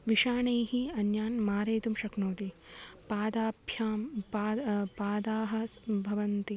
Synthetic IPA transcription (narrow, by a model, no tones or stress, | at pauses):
ʋiʂaːɳɐjɦiɐnjaːnmaːɾeːt̪umʃɐknoːt̪ipaːd̪aːbʱjaːmː | paːd̪aːɦɐ̆sbʱɐʋɐnt̪i